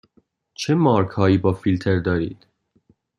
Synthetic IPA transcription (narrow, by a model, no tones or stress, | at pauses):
t͡ʃʰe̞mɒːɾkʰhɒːiːbɒːfilt̪ʰeɾd̪ɒːɾḭːd̪̥